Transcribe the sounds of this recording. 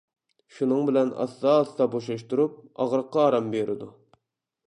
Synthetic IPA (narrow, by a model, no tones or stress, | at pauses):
ʃunɨŋbɪlɛnɑ̰st̪ɑːst̪ɑboʃlɑʃt̪uɾup̚ɑʁɾəqːɑːɾɑmbeɾʔɪd̪u